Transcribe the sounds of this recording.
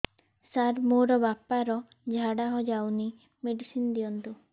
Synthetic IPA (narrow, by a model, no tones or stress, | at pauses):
saɾmoɾɔbapaɾɔ | d͡ʒʱaɽaɦɔd͡ʒawni | meɖisind̪iɔnt̪u